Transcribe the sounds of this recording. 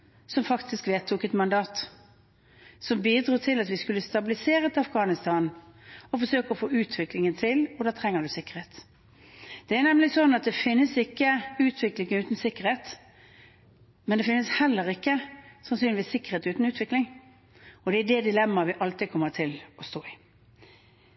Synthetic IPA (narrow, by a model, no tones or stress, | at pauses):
sɔmfɑkt̪ɪskʋeːt̪ʰːuːkɛt̪mɑnd̪ɑːt̪ | sɔmbiːd̪ɾuːt̪ʰɪlɑt̪ʋɪskʉlːəst̪ɑbɪlɪseːɾət̪ɑfɡɑːnɪst̪ʰɑːnɔfɔsøːkəɔfoːʉːt̪ʰʋɪklɪŋənt̪ʰɪlɔd̪ɑːt̪ʰɾɛŋːəd̪ʉsɪkːə̥ɾeːt̪ | d̪̥ɛænɛmlɪsɔnːɑt̪̚d̪ɛfɪnːəsɪkːəʉːt̪ʰʋɪklɪŋəʉːt̪n̩sɪkːəʁɾheːt̪ | mɛnd̪ɛfɪnːəshɛlːəɾɪkːəsɑnsynɪʋiːsɪkːəʁeːt̪ʉːt̪n̩ʉːt̪ʋɪklɪŋ | ɔd̪ɛæɖɛd̪ɪlɛmːɑʋɪʔɑlt̪ɪkʰɔmːət̪ʰɪlɔst̪oːɪ